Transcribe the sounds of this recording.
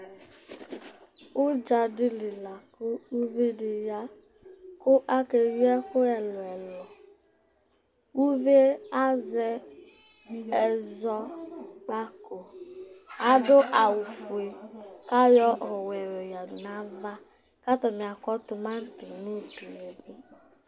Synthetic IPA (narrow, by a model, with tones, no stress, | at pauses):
ʊ˦d͡ʒa˨dɪ˦li˨la˨kʊ˦u˦vi˦dɪ˨ja˦ | kʊ˦ʔa˦ke˨jɛ˦xo˦ɛ˨lɔ˨ɛ˨lɔ˨ | wu˦ve˦e˦a˦zɛ˦ | ɛ˨zɔ˦k͡pa˦ko˨ | a˦dʊ˦ʔa˨wu˨fu˨e˨ka˦jɔ˦ʔɔ˨wɛ˨wɛ˨ja˨m˨na˨˦va˦ | ka˦t̪ɔ˨mi˨a˨kɔ˦tʊ˨ma˦n̩˦tɪ˨nu˦du˨e˨bu˦